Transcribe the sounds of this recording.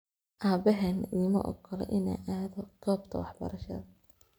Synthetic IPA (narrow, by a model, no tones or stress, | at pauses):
ʔaːbɛɦɐniːmɐ̰ʔɔ̰ɡʰɔlɛ̰ʔɪna̰ːʔaːðɔɡ̥ɔːbt̪ʰɐwɑħbɐ̰ɾɐʃɐ̰ðɐ